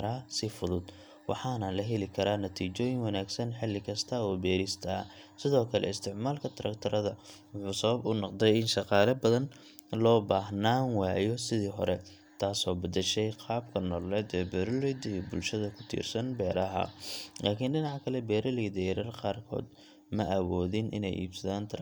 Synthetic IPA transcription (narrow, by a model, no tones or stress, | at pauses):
ɾaːsɪfʊðʊd̪ | wɑ̰ħɑːnɐlɐɦɛlɪkʰɐɾaːnɐt̪ʰiːt͡ʃɔːjɪŋwɑnaːɡsɐnħɪlːɪkʰɐst̪ʰɐɔːbɛːɾɪst̪ʰɐ | sɪðɔːkʰɐlɛ̰ɪst̪ʰɪʕmaːlkʰɐt̪ʰɐɾɐ̰kt̪ʰɐɾɐðɐ | wʊħuːsɐβɐbʊnɑqd̪ɛjɪnʃɑqɑːlɐbɐðɐn | lɔːbaːɦnaːnwaːjɔsɪðiːɦɔ̰ɾɛ | t̪ʰaːsɔːbɐd̪ɐʃɛjqɑːbkʰɐnɔːlɛːd̪ɛːbɛːɾɐlɛjd̪ɐijbʊlʃɐðɐkʰʊ̥t̪ʰḭːrsɐnbɛːɾɐɦɐ̰laːkʰɪnɖɪnɑʕkʰɐlɛbɛːɾɐlɪd̪ɛjɾɐrqɑːrkʰɔ̰ːd̪ | mɐʔɐwɔːðɪnʔɪ̰nɛ̰jʔḭːbsɐðaːnt̪ʰ